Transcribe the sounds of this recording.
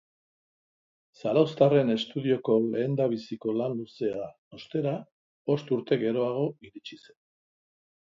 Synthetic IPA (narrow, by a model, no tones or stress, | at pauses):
salawst̪are̞ne̞st̪uðio̞ko̞le̞ːnd̪aβ̞isiko̞lanluse̞a | ost̪e̞ɾa | o̞st̪uɾt̪e̞ɣe̞ɾo̞aɣ̞o̞iɾit͡ʃise̞n